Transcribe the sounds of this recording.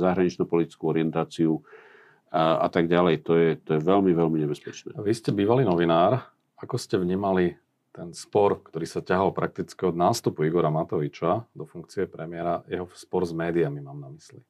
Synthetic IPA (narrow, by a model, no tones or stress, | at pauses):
zaɦɾaɲit͡ʃnɔpɔlit̪i̥t͡skuɔɾɪɛnt̪aːt͡siu | a̰t̪aɡɟalɛjt̪ɔjɛt̪ɔjɛʋɛlmiʋɛlmiɲɛbɛspɛt͡ʃnɛ̰ːʋiscɛbiːʋaliːnɔʋinaːɾ | akɔscɛʋɲiːmali | t̪ɛnspɔɾkt̪ɔɾiːsacaɦɔlpɾak̚t̪it͡skiɔd̪naːst̪upuiɡɔɾamat̪ɔʋit͡ʃad̪ɔfuŋkt͡siɛpɾɛmɪɛɾajɛɦɔspɔɾzmɛːd̪iamimaːmnamisli